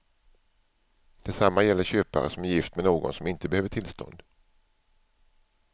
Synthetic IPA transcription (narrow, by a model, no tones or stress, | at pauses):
d̪̥ɛsamːajɛlːəɕøːpa̰ɾəsɔmæɾjɪft̪mɛnoːɡɔ̰nsɔmɪnt̪əbɛhøːvəʈʰɪlst̪ʰɔ̰nd̪